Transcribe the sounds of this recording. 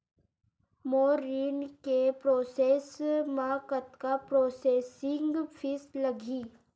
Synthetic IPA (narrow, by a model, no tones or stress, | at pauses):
moːɾinkepɾoːseːsmaːkət̪kapɾoːseːsɪ̃ŋɡfʰɪslɐɡʱiː